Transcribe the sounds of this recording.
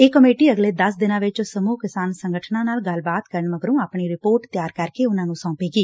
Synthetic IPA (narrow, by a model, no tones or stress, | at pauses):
eːkəmeːʈiːəɡleːd̪əsd̪ɪnãːʋɪt͡ʃsəmuːkɪsaːnsəŋɡəʈʰnãːnaːlɡəlbaːt̪kəɾənʋəɡɾũːaːpɳiːɾɪpoːɾʈt̪jaːɾkəɾkeːʊnãːnũːsɔ̃ːpeːɡiː